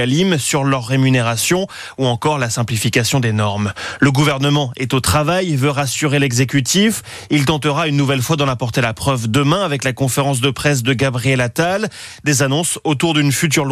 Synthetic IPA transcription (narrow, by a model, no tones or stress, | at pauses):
alimsyʁlœʁːemyneʁasjɔ̃ | uɑ̃kɔʁlasɛ̃plifikasjɔ̃d̪enɔʁmləɡuvɛʁnəmɑ̃ɛt̪ot̪χavajvøʁasyʁelɛɡzek̬ʲyt̪if | ilt̪ɑ̃t̪əʁaynːuvɛlfwad̪ɑ̃napɔʁt̪elapχœvd̪əmɛ̃avɛklakɔ̃feʁɑ̃s̬d̪əpχɛs̬d̪əɡabʁiɛlat̪al | d̪ezanɔ̃sot̪uʁd̪ynfyt̪̬yʁl